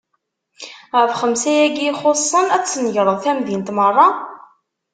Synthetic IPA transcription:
ʁəɾfχəmsæjæɡiχosˤːənæt͡sːnəʝɾˤəðˤθæmðint̪mərˤːɑ

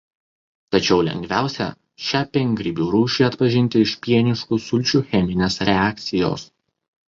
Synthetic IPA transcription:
t̪ɐt͡ʃʲɛʊlʲɛ̰ŋʲɡʲʋʲæˑʊsʲɛ̰ | ʃʲæːpʲɛŋʲɡɾʲɪbʲuːɾuːʃʲiɐt̪pɐʒʲɪnʲt̪ʲɪɪʃʲpʲiɛnʲɪʃkʊsʊlʲt͡ʃʲuːxʲɛmʲɪnʲeːsɾʲɛæːk̚t̪sʲɪjo̰ːs

